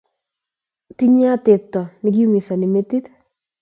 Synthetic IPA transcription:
ti˦ɲa˦tɪ˨p̚tɔ˨nɪ˦k̬i˦mi˨sa˨nɪ˨me˦ti˦t

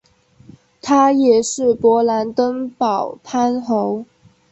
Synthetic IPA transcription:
t̪ʰa˥jɛ˨˩ʂɻ̩˥˩pwɔ˧˥la˧˥nt̪ə˥ŋpɑ˨˩ʊpʰa˥nxo˧˥ʊ

